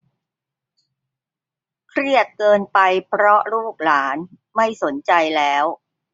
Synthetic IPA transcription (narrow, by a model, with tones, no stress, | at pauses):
kʰɾi˥˩ət̪̚kɤː˧npa˧jpʰɾɔ˦˥ɾuː˥˩k̚laː˩˦n | ma˥˩jso˩˦nt͡ɕa˧jlɛː˦˥w